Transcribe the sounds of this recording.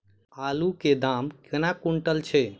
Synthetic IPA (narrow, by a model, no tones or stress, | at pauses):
aluked̪amkənakuɳʈəlt͡ʃʰɛ